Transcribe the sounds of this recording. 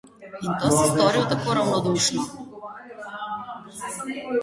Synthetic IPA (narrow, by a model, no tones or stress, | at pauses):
int̪ɔsɛst̪ɔɾit̪akvɔɾavnɔd̪uʃni